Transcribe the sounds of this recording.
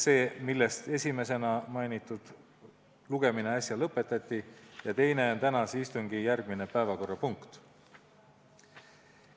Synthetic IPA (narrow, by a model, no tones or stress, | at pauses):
se̞ːmilːe̞st̪e̞sʲime̞se̞nɑmɑjnit̪ːˑud̪̥ | luɡ̥e̞mine̞ɑsʲjɑlɤpːe̞t̪ːˑɑt̪ʲˑːijɑt̪e̞jne̞ont̪ænɑsist̪uŋɡ̥ijærɡ̥mine̞pæevɑko̞rːɑpuŋkt̪